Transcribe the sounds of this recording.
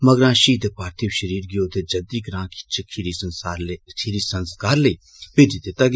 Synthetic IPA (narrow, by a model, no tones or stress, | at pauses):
mɐɡɾãːʃiːd̪epaːɾt̪ʰiwʃəɾiːɾɡjoːd̪ed͡ʒɐd̪iːɡɾãːkʰi̥t͡ʃʰekʰiɾisɐnsaːɾkʰiɾisɐnskaːɾleiː | ped̪it̪et̪ɐɡ